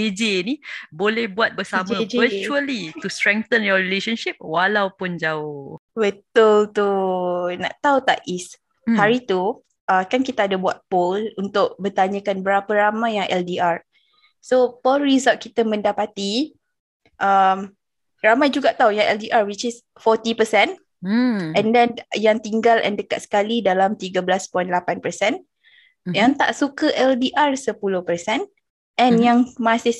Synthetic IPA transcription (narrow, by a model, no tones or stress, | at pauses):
ed͡ʒenĩbolɛhbuat̪̚bəsamãət͡ʃuəlit̪ust̪ɾɛŋ̚t̪ənjɔɾileʃənʃip̚walawpʊnd͡ʒaʊbət̪ʊlt̪unã̰ʔt̪aut̪a̰ʔis | haɾit̪u | ʔakankit̪aadabuat̪̚polunt̪ʊʔ̚bət̪aɲə̃kanbəɾapəɾamãjːaŋʔɛldiʔaɹ | sopɔlɾizalt̪̚kit̪əmə̃ndapat̪i | ʔəm | ramajd͡ʒuɡaʔt̪aujaŋʔɛ̰ldiʔarwit͡ʃɪs | fɔt̪ipəsɛ̃n | ɛ̃ndɛnjaŋt̪iŋɡalɛ̰ndəka̰t̪̚sə̥kalidalamt̪iɡabəlaspɔjnlapanpəsɛn | jaŋt̪a̰ʔsukəʔɛldiʔarsəpulʊhpərsɛn | ʔɛ̃njaŋmasɪ